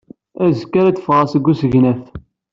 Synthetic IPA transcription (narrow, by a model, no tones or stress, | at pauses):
æzkːaɾæt͡sːə̥fʁɑsəɡːusəʝnæθ